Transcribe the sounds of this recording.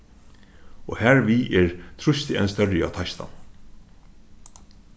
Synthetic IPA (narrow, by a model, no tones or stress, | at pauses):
ɔ̰hæːɹviʔɛɹt̪ʰɾʊst̪ɪɛnst̪œɾjɪa̰t̪ʰajst̪a̰